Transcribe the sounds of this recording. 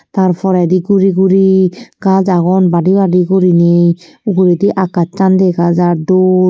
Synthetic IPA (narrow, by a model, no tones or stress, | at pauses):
t̪aɾpʰɔɾɛdiɡuɾiɡuɾiɡazaɡɔnbaɖibaɖiɡoɾinej | uɡuɾid̪iʔakat͡ʃːand̪eɡazado